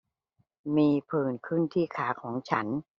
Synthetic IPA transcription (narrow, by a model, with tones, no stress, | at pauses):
miː˧pʰɯː˨˩nkʰɯ˥˩nt̪ʰiː˥˩kʰaː˩˦kʰɔː˩˦ŋt͡ɕʰa˦˥n